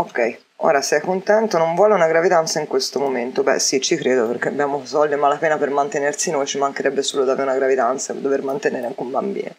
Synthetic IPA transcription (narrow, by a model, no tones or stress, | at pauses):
okːɛj | o̰ːɾasɛjkont̪ɛnt̪onoɱvwɔːleunaɡɾavid̪ant̪saiŋkwest̪omoment̪obɛ̰sit͡ʃːikɾeːd̪operk̟eabjaːmosɔld̪imalːapɛːnapermant̪enersinojt͡ʃimaŋkeɾɛbːesuːlod̪aːveunaɡɾavid̪ant̪sad̪ːovermant̪eneːɾeaŋkombambḭːne